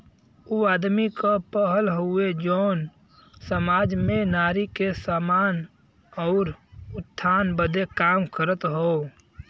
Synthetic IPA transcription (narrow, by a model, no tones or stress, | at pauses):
uad̪mikəpəɦəlɦued͡ʒəːn | səmaːd͡ʒmẽnaːɾikesamaːn | ɔʊɾʊt̪ʰːanbəd̪ekaːmkʰəɾət̪ɦoː